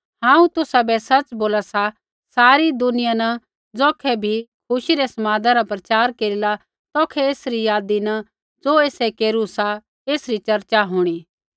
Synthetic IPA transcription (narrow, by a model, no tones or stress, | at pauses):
ɦãːũt̪ʊsabɛsɐt͡ʃboːlasa | saːɾid̪ʊnɪjanɐ | d͡zɔːkʰɛbʱikʰʊʃiɾesɐmaːd̪ʱaɾapɾɐt͡ʃaːɾkeːɾila | t̪ɔːkʰɛeːsɾijaːd̪inɐ | d͡zoːeːsekeːɾusa | eːsɾit͡ʃɐɾt͡ʃaɦoːɽ̃iː